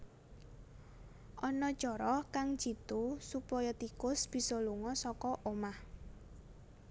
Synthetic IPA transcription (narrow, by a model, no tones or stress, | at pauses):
ʔɔnɔd̥ʒ̥ɔɾɔhkaŋ̥ʒ̥it̪usupɔjɔt̪ikʊsb̥i̤sɔluŋɔsɔkɔʔomah